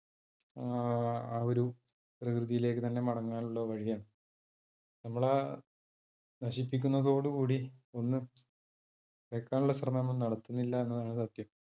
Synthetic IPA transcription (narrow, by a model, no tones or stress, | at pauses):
aːoɾu | prɐkrɨðijile̞ːkːɨt̪ɐnːe̞mɐɽɐŋːaːnuɭːɐʋɐɻijɐm | nɐmːɐɭe | nɐɕipːikʲːunːɐðo̞ːɽukuːɽio̞nːɨ | ʋekːaːnuɭːɐɕrɐmɐmonnɐɽɐt̪ːunːilːɐe̞nːɐðaːɳɨsɐt̪jɐm